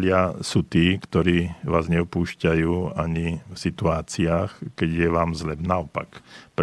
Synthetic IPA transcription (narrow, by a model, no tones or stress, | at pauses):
lɪasuːt̪iːkt̪ɔɾiːʋaːzɲɛɔpuːʃcajuːaɲifsit̪uaːt͡siaːxkɛɟjɛʋaːmzlɛbnaɔpa̰kp